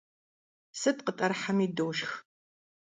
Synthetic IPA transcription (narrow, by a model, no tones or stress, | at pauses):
sɨtʼqətʼɐrħamiːdoːʃx